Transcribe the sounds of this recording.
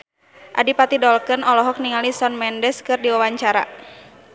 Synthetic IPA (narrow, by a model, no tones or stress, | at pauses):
ʔa̰dipat̪idɔlkənɔlɔɦɔk̚niŋalisɔnmɛndɛskɨrdiwawaɲt͡ʃaɾa̰